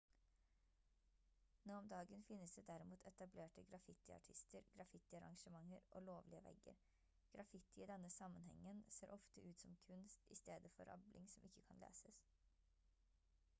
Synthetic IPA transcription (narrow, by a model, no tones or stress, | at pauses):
noːɔmd̪ɑːɡənfɪnːəsd̪eːd̪æɾɪmuːt̪ʰɛt̪ɑbleːʈəɡɾɑfɪt̪ɪɑ̰ʈʰɪst̪ʰəɾɡ̥ɾɑfɪt̪ɪɑɾɑ̰ŋʂəmɑŋəɾʔo̰ːloːʋlɪəʋɛ̰ɡə̰ɾ | ɡ̥ɾɑfɪt̪ɪɪd̪ɛnːəsɑmːənhɛ̰ŋːənseːɾʔɔft̪əʔʉːt̪sɔmkʰʉnst̪ɪst̪eːd̪əfɔɾɑ̰blʔɪŋsɔmʔɪçːəkʰɑnlḛːsəs